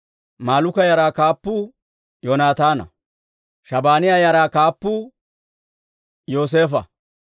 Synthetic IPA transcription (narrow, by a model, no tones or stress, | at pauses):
maːlʊkɐjɐɾaːkaːpːʊ | joːnaːt̪aːnɐ̰ | ʃɐbaːnɪjajɐɾaːkaːpːʊ | joːs̬eːfɐ̰